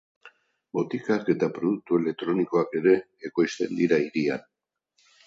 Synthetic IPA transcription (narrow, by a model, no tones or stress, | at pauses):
bo̞t̪ikake̞t̪apɾo̞ðuk̚t̪ue̞le̞k̚t̪ɾo̞niko̞ake̞ɾe̞ː | ko̞jst̪e̞nd̪iɾaiɾia̰n